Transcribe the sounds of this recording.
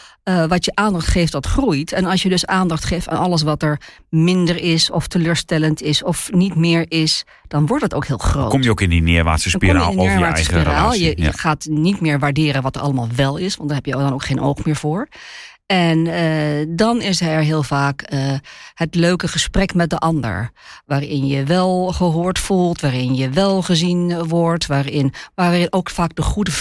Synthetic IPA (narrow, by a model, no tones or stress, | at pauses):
əʋɑtjəʔaːndɑχtχeːftdɑtχrujtʰɛnɑlˠsjədøsaːndɑχtχeːfta̰ːnɑləs̬ʋɑtəɹ | mɪndəɹɪsɔftəløːɹstɛləntʰɪsɔfnitmɪːɹɪs | d̥ɑnʋɔɹtətowkhɪːlˠχroo̰ːkɔmjəokɪndinɪ̰ɹʋa̰ːsəspira̰ːɪːɹʋaːssiraːlˠjəj̰əχaːtnitmɪːɹʋaɹdɪːɾənʋɔtəɹʔɑləmaːlˠʋɛlˠɪsʋɑntd̥aɹɦɛpjədɔnoːkχeːno̰wxmɪːɹvoːɹ | ɛnədɔnɪsɛɹɦɪːlˠvaːkəhətløːkəχəsprɛkmɛt̚dəʔɑndə̰ɹʋaːrɪnjəʋɛlˠχəɦoːɹtfulˠtʋaːɾɪnjəʋɛlˠχəzinʋɔɹtʋaːrɪnʋaːɪnoːkfaːk̚dəχudə